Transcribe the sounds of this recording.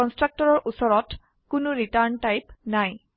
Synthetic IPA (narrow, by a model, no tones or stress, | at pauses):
ɔnstɹak̚tɔɹɔɹʔusɔɹɔt | kʊnʊɹitaɹntajpnaj